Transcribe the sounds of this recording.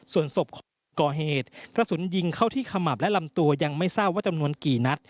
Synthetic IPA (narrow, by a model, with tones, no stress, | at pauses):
su˨˩ənso˨˩p̚kʰɔː˩˦ | kɔː˨˩ɦeː˨˩t̪̚kɾa˧su˩˦nji˧ŋkʰa˥˩wt̪ʰiː˥˩kʰa˧ma˨˩p̚lɛ˦˥ʔla˧mt̪u˧ɐja˧ŋma˥˩jsaː˥˩p̚waː˥˩t͡ɕa˧mnu˧ənkiː˨˩na˦˥t̪̚